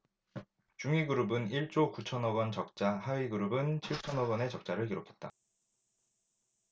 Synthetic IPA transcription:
t͡ɕuŋiɡɯɾubɯniɭt͡ɕ͈okut͡ɕʰʌnʌɡʌnt͡ɕʌk̚t͡ɕ͈ahaɥiɡɯɾubɯnt͡ɕʰiɭt͡ɕʰʌnʌɡwʌne̞t͡ɕʌk̚t͡ɕ͈aɾɯɭkiɾokʰe̞t̚t͈a̰

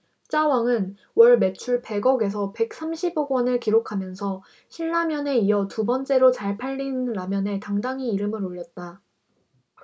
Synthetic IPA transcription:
t͡ɕ͈awaŋɯn | wʌɭme̞t͡ɕʰuɭpe̞ɡʌɡe̞s̬ʰʌpe̞k̚s͈amɕʰiboɡwʌnɯɭkiɾokʰamjʌnsʰʌ | ɕʰiɭːamjʌne̞iʌtubʌnt͡ɕ͈e̞ɾot͡ɕaɭpʰaʎːinɾamjʌne̞taŋdaŋiːɾɯmɯɾoʎːʌt̚t͈a

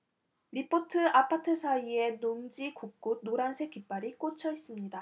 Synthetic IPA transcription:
ɾipʰotʰɯapʰatʰɯsʰaie̞noŋd͡ʑikuk̚k͈ud̚noɾansʰe̞k͈ip͈aɾik͈ot͡ɕʰʌis͈ɯmɲida

